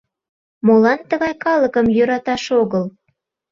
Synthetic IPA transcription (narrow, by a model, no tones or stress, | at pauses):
molɑnt̪əɣɑjkɑləkəmjøɾɑt̪ɑʃoɣəl